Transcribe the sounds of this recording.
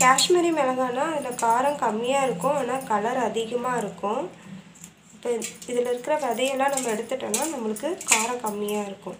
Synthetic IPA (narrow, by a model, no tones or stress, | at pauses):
kaːʂmɐɾimɛlɐŋɡaːnãːɪðɪlːɐkaːɾɐ̃kɐmːɪjaːɪɾɯkːʊ̃eːnːaːkɐlɐɾɐðɪɣɐmaːɪɾɯkːʊ̃ | ɪpːoːɪðɪlɪɾɯkːɪɾɐʋɛðɐjɛlːãːnɐmːɐɛɽɯt̪ːɯʈːɐnːaːnɐmːɐɭɯkːɯkaːɾɐ̃kɐmːɪjaːɪɾɯkːʊ̃